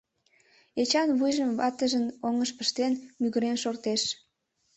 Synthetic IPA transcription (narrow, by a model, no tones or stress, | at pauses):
et͡ɕɑnβujʒəmβɑt̪əʒənoŋəʃpəʃt̪enmyɣəɾenʃort̪eʃ